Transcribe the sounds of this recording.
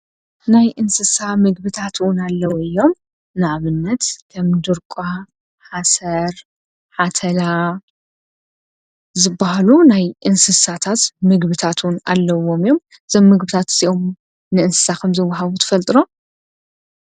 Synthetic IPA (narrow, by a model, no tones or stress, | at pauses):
najʔɨnsɨsamɨɡbɨt̪ʰat̪ʰwʊnalːɐwuɨjːo̞m | nɨʕaβɨnːɐt̪kʰɐmd̪ɨɾkʼa | ħasɐɾ | ħat̪ʰɐla | zɨbːaɦalunajʔɨnsɨsat̪ʰat̪mɨɡbɨt̪ʰat̪ʰwʊna̰lːɐwo̞mjːo̞m | ɨz̥omːɨɡbɨt̪ʰat̪ɨziʔo̞m | nɨɨnsɨ̥sakʰɐmzɨwːaɦaβut̪ʰɨ̥fɐlt̪ʼɨɾo̞